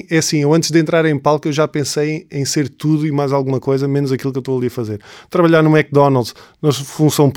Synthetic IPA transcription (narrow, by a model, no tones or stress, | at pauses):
ɛɐsĩewɐ̃nt̪ʒd̪ẽnt̪ɾaɾẽj̃palˠkewʒapẽsɐjɐ̃j̃seɾt̪uðuimajzalˠɣumɐkojzɐmenuzɐkilˠkewt̪oɐlˠiɐfɐzeɾt̪ɾɐβɐʎaɾnumɛk̚d̪ɔnalˠd̪ʃnɐfũsɐ̃w̃p